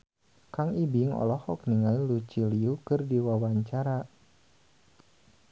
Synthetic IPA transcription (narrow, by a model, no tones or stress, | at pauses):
kaŋibiŋɔ̰lɔhɔk̚niŋailut͡ʃiliukɨrdiwawaɲt͡ʃaɾa